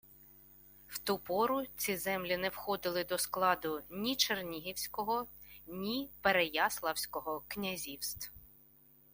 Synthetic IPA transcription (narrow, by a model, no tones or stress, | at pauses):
w̥t̪upɔɾʊt͡sʲizɛmlʲinɛwxɔd̪ɪlˠɪd̪ɔsklˠɑd̪ʊnʲit͡ʃernʲiɦʲiwsʲkɔɦɔ | nʲipeɾejɑslˠɐwsʲkɔɦɔknʲɐzʲiwst̪w